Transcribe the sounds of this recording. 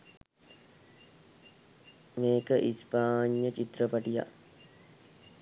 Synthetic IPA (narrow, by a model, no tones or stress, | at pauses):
meːkəʔispaːɲjət͡ʃit̪ɾəpaʈija̰